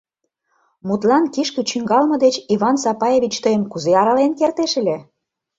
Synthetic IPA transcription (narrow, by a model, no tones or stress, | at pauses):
mut̪lɑnkiʃkə̆t͡ɕyŋɡɑlmɤ̆d̪et͡ɕiβɑnsɑpɑjevʲit͡ɕt̪ɤjəmkuzeɑɾɑlenkert̪eʃə̆lʲe